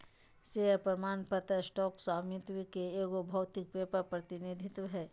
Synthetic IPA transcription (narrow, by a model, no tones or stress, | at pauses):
seəpɾɐmaːnpɐt̪əsʈɔːkswaːmit̪ʋikeeːɡobʱɐwt̪ɪk̚pepəpɾɐt̪ɪnid̪ʱɪt̪wɦɛː